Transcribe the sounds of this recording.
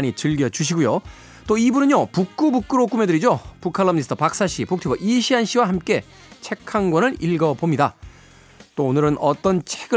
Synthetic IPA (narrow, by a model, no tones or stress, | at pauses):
ɲit͡ɕɯɭɡjʌd͡ʑuɕ̬ʰiɡujo | t͈oibunɯɲjʌpuk͈ubuk͈ɯɾok͈ume̞dɯɾid͡ʑopukʰaɭːʌmɲisʰɯtʰʌpak̚s͈aɕʰipok̚tʰibʌʔiɕʰiɦanɕ͈ʰiwahamk͈e̞ | t͡ɕʰe̞kʰːaŋɡwʌnɯɾiɭɡʌbomɲida | t͈oːnɯɾɯnʌt͈ʌnt͡ɕʰe̞ɡɯ